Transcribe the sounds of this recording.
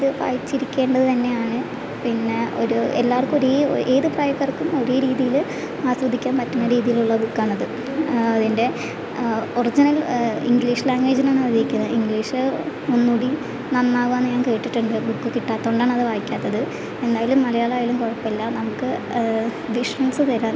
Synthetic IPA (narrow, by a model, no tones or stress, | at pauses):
ðɨʋa̰ːjit͡ɕːiɾikʲːe̞ːɳɖɐðɨt̪ɐnːe̞jaːɳɨ | pinːeoɾuelːaːrkumoɾeːðɨpraːjɐkːɐrkːumo̞ɾeɾiːðijil | aːsrɐd̪ʱːikʲːaːnpɐtːɐnːɐɾiːðijiluɭːɐbukːaːɳɐðɨ | ɐðinde̞ | orid͡ʑinɐlḭŋɡliːʂlaːŋɡeːd͡ʑinaːɳɐðiɾikʲːunːɐiŋɡliːʂɨ | munːuːɽi | nɐnːaːʋaːnːɨɲaːŋke̞ːʈːiʈːuɳɖɨbukːɨkiʈːaːt̪ːoːɳɖaːɳɐðɨʋaːjikʲːaːt̪ːɐðɨ | e̞nd̪aːjilumːɐlɐjaːɭaːjilumkoɻɐpːelːɐnɐmukːɨ | ʋiʂrɐnsɨt̪ɐɾaːn